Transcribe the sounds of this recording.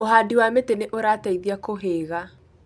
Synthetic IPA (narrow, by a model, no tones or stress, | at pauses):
oɦaːdiwameteneʔoɾataiðiakoɦeɣa